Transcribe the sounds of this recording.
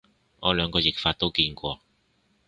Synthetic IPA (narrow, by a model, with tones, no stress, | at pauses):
ŋɔː˨˧lœː˨˧ŋkɔː˧jɪ˨˩k̚faː˧t̪̚o˥wkiː˧nkʷɔː˧